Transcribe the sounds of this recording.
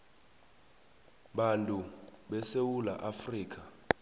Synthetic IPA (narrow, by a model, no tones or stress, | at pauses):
ɓantʼuɓɛsewula̰ʔafriːk̬ʰʼa